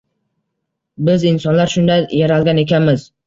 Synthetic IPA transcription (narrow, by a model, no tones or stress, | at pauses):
bɪzɪnsɒnlaɾʃʊnd̪ajaɾalˠɡʲane̞kʲanmɪz